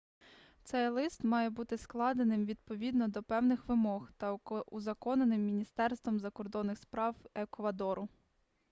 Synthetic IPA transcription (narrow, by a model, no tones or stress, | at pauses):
t̪sɛjlˠɪst̪mɑjɛbut̪ɪsklˠɑd̪enɪmʋʲid̪̚pɔʋʲid̪nɔd̪ɔpɛwnɪxʋɪmɔxt̪ɐuzɐkɔnenɪmːʲinʲist̪ɛrst̪ʋɔmzɐkɔrd̪ɔnːɪxspɾɑwekʋɐd̪ɔɾʊ